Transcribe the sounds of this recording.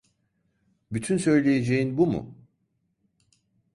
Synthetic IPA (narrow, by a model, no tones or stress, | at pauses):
byt̪ʰynsø̞jlʲe̞jed͡ʒejinbumṵ